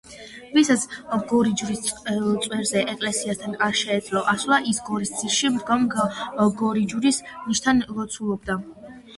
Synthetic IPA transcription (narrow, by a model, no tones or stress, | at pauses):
visat̪sʰɡɔɾid͡ʒuɾist̪sʼwɛɾzɛʔɛkʼlɛsiast̪ʰanaʃɛːd̪zʼlɔʔaslˠaʔisɡɔɾisd̪sʰiɾʃimd̪ɡamɡɡɔɾid͡ʒuɾisniʃt̪ʰanlɔt̪sʰulˠɔb̚d̪a